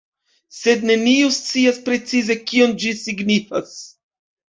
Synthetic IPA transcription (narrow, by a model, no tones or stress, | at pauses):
se̞d̪ne̞niust͡siaspɾe̞t͡size̞kio̞nd͡ʒisiɡnifas